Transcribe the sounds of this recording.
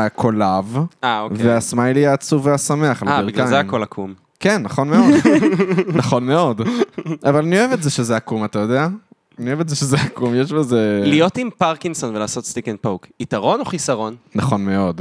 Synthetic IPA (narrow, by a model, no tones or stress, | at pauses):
akʰo̞lavaokveasmalijaːt͡suveasame̞aχlaabiʁɡkaazeamkolakʰum | kenːaχo̞nmed | naχo̞nme̞o̞davalanio̞evetzeʃezeakumatajo̞dea | anievetzeʃezeakumjeʃbezelijotimpaʁkinso̞nvelaːsot̪st̪ikenpowkitaʁo̞noχisaʁo̞nnaχo̞nme̞o̞d